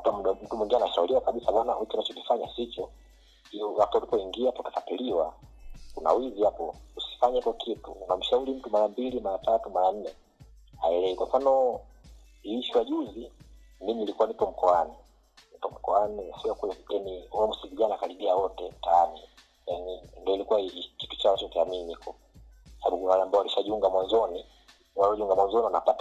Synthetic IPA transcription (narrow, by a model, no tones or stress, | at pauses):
atamuɗam̩tumwiŋɡianaʃauliwakaɓisaɓanawituanat͡ʃɔkifaɲasit͡ʃɔ | iɔwatualipɔiŋɡiapatḁkatiliwakuna̰wizihapɔusi̥faɲaikɔkʰitṵunam̩ʃauɾim̩tumaɾambilimaɾatatumaɾan̩nɛ | a̰ɛlɛikwaɱfanɔ | iiʃwaʄuzi | miminilikuwanipɔm̩kɔani | nipɔm̩kɔanisiɔkulɛjaniuamusiviʄanaːkaɾiɓiawɔtɛm̩taani | janindiɔilikuwaiki̥tu̥t͡ʃawat͡ʃɔukiaminiikɔ | saaɓukunawaɾambaɔwaliʃaʄuŋɡamwanzɔni | waɾiɔʄiuŋɡamwanzɔniwanapata